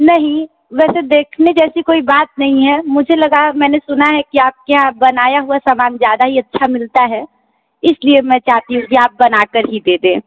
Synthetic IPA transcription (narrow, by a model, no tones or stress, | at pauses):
nɐɦĩ | ʋɛːsed̪eːkʰned͡ʒɛːsikoːibaːt̪̚nɐɦĩɦɛmʊd͡ʒʱelɐɡamɛ̃ːnesʊnaɦɛkiaːp̚keaːbɐnaːjaɦuasaːmaːnzjaːd̪aɦiɐtːʃʰamɪlt̪aɦɛː | ɪsliemɛ̃t͡ʃaːɦt̪iɦũkiaːp̚bɐnaːkəɾɦid̪eːd̪ẽː